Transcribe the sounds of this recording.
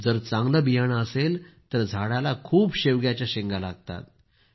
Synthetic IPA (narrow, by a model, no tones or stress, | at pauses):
d͡zəɾt͡sãŋɡləbijaɳ̃əselt̪əɾd͡zʱaɽalakʰuːbɕeʋɡjat͡ɕjaɕeŋɡalaɡt̪a̰t̪̚